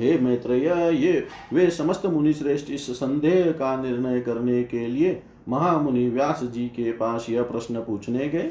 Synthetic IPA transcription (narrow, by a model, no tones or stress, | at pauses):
ɦemeːt̪ɾəjɐje | ʋeːsəməst̪əmunisɾeːsʈɪssə̃nd̪ʱeːɦkanɪɾnəjkəɾnekelie | mɐɦaːmuniʋjaːsd͡ʒikepaːsjɐpɾəsnəpuːt͡ʃʰneɡe